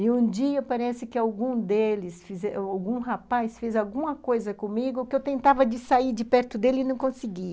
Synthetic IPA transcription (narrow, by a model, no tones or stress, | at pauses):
ɪũd͡ʒiɐpaɾɛsɪkɪawɡũd̪elɪsfizɛawɡũɦapajsfezawɡũmɐkojzɐkõmiɡʊkɪewt̪ẽnt̪avɐd͡ʒɪsaiɾd͡ʒɪpɛɾt̪ʊd̪elɪnɐ̃w̃kõsɪɡi